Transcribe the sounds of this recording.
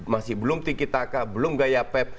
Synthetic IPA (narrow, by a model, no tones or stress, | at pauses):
masɪhbəlʊmt̪ikit̪akabəlʊmɡajapɛp̚